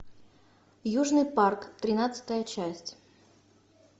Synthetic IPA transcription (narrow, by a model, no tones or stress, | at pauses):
juʐnɨjparkt̪ɾʲɪnat̪sɨ̥t̪əjət͡ɕæsʲtʲ